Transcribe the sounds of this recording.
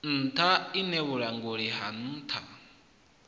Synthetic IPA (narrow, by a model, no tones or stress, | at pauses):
n̩tʰainɛβuɺaŋɡoɺiɦan̩ːtʰa